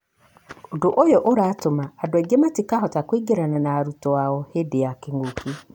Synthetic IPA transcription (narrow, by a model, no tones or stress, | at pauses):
odoʔojɔʔoɾatomaadɛɡematikaɦɔtakwiɡeɾananaːɾutɔaɔhedejakeŋɡoki